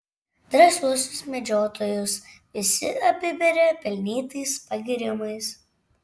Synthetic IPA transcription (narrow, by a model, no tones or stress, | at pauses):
d̪ɾɐsuɔsʲʊsmʲɛd͡ʒʲoːt̪ʰoːjʊs | ɪsʲɪɐpʲɪʋʲɛɾʲɛpʲɛlʲnʲiːt̪ɐɪspɐɡʲɪɾʲɪmɐɪs